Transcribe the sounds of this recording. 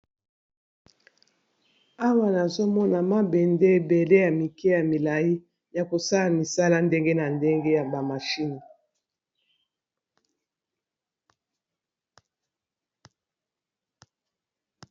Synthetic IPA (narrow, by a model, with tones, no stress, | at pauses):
a˦wa˨na˨zo˦mɔ˦na˨ma˦be˨nde˦be˨le˦ja˨mi˨ke˦ja˨mi˨la˨ji˦ | ja˨ko˨sa˦la˨mi˨sa˦la˦nde˦ŋɡe˦na˨nde˦ŋɡe˦ja˨ba˨ma˨ʃi˦ni˨